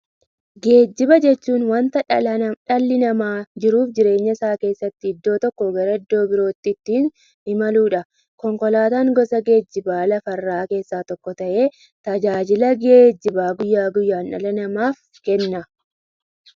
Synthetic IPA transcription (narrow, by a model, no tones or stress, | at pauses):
ɡe̞ːd͡ʒːɪbɐd͡ʒɛt͡ʃːuːnwɐnt̪ɐᶑɐlːɪnɐmaːd͡ʒɪɾuːfd͡ʒɪɾe̞ːɲːɐɪsaːke̞ːsːɐt̪ːɪɪd̪ːo̞ːt̪ɔkːɔɡɐɾɐɪd̪ːo̞ːbɪɾo̞ːt̪ːɪt̪ːiːn | hɪmɐluːᶑɐ | kɔŋkɔlaːt̪aːŋɡɔsɐɡe̞ːd͡ʒːɪbaːlɐfɐrːaːke̞ːsːaːt̪ɔkːɔt̪ɐʔe̞ː | t̪ɐd͡ʒaːd͡ʒɪlɐɡe̞ːd͡ʒːɪbaːɡʊjːaːɡʊjːaːnᶑɐlɐnɐmaːf | kɛnːɐ